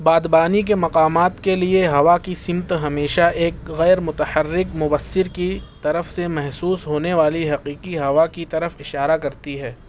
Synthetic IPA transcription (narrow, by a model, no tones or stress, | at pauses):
baːd̪baːnik̬emɐqaːmaːt̪kelieɦɐʋakisɪmt̪ɦɐmeːʃaeːkɣɛːɾmʊt̪əhɐrːɪkmʊbəsːɪɾkit̪ɐɾəfsemɛɦsuːsɦoːneʋaːliɦɐqiːqiɦɐʋakit̪ɐɾəfɪʃaːɾakɐɾt̪iɦɛː